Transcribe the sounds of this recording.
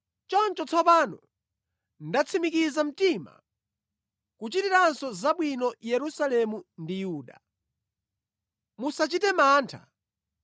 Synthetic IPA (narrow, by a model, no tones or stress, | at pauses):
t͡ʃɔnt͡ʃɔt͡sʰɔpanɔ | ndat͡sʰimikizam̩tima̰ | kut͡ʃitiɾansɔzaɓwinɔjɛɾusalɛmundijuːɗa | musat͡ʃitɛmaːntʰa̰